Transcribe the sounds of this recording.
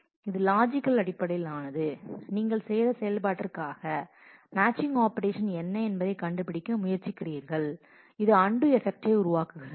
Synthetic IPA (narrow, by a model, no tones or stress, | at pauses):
ɪðɯlaːd͡ʒɪkːɐlɐɽɪpːɐɽɐjɪlaːnɐðɯniːŋɡɐɭsɛjðɐsɛjɐlp̬aːʈːɐrkaːɣɐ | maːt͡ʃːɪŋɡaːpɐɾeːʂɐnɛnːɐɛnbɐðɐɪkɐɳɖɯpːɪɽɪkːɐmʊjɐɾt͡ʃɪkːɪriːɾɣɐɭ | ɪðɯɐɳɖɯɛfɛk̚ʈeɪʊɾʊʋaːkɯɣɪɾɐ